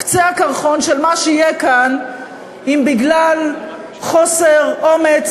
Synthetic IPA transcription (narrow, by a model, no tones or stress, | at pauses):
kt͡seakaʁχo̞nʃelmaʃeijekan | imbiɡlal | χo̞seʁo̞met͡s